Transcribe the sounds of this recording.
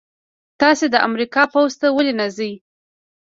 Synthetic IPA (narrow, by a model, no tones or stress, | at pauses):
t̪ɑsed̪əʔa̰mɾikɑpawzt̪awəlenazəj